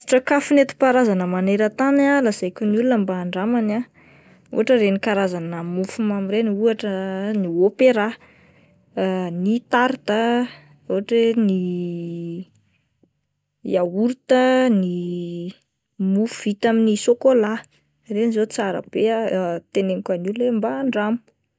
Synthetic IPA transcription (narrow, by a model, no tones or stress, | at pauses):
ʈ͡ʂəkafunet̪i̥paɾazanəmaneɾət̪analaz̥ajkʲonulunambaːɳɖ͡ʐamana | ṵaʈ͡ʂəɾenikaɾazanamufumamiɾenuaʈ͡ʂəniopeɾa | nit̪aɾt̪ə | uɦaʈ͡ʂeni | jauɾt̪əni | mufuvit̪aminisokola | renizot͡saɾə̰b̥eat̪eneŋkanullembaːɳɖ͡ʐamu̥